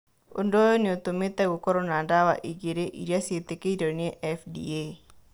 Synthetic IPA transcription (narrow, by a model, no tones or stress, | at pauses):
o̰ndojoniot̪omet̪ɛɡokoɾonadawa̰ʔiɡeɾeʔḭɾaset̪ekeidonieʔɛfdḭe